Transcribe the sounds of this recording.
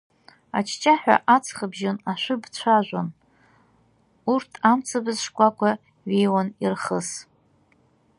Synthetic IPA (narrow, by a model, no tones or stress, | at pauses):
at͡ʃʰt͡ʃʼaħʷᶣa̰ʔat͡sʰχəbʒonaʃʷʊbt͡ɕʷʰaʒʷan | urtʰamt͡sʰabɨzʂkʷʼakʷʰa | ɥejwanirχəs